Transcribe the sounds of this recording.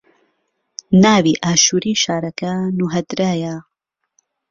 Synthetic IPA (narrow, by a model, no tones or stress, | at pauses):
naːviːʔaːʃuːɾiːʃaːɾɐkɐnuɦɐd̪ɾaːja